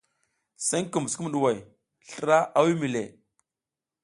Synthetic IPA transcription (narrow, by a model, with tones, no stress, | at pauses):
sa˦ŋku˨m˨sku˦m˨ɗu˨wa˨j | ɬə˨ɾa˦ʔa˦wi˦mi˨lḛ˨